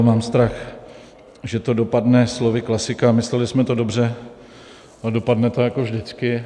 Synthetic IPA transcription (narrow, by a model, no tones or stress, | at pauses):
maːmst̪ɾax | ʒɛt̪o̞do̞padnɛslovɪklasɪkamɪslɛlɪsmɛt̪odo̞br̝ɛ | ado̞padnɛt̪ojakovʒdɪt͡skɪ